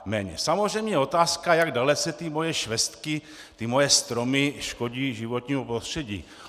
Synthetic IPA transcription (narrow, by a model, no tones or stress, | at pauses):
mɛːɲɛ̰samozr̝ɛjmɲɛɛo̞t̪aːskajaɡdalɛt͡sɛt̪ɪmo̞jɛʃvɛst̪kɪ | t̪ɪmo̞jɛst̪ɾo̞mɪʃko̞ɟiːʒɪvo̞t̪ɲiːmupɾost̪r̝̥ɛɟḭː